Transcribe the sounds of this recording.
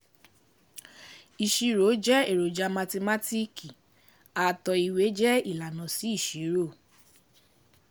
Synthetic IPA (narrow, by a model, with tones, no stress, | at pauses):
i˨ʃi˧ɾo˨˦d͡ʒɛ˦e˦˨ɾo˨d͡ʒa˧mã˧te˧ma˦ti˦ki˨ | a˨˧tɔ˧i˧˨we˨˦d͡ʒɛ˦i˦˨la˨nɔ̃˨si˨˦i˦˨ʃi˨˦ɾo˦˨